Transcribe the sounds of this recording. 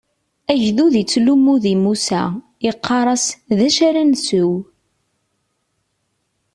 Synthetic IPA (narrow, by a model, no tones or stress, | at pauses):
æʝðuðit͡sːlumːuðimusæ̰ | iqʰːɑɾˤɑsðæʃaɾænsʊw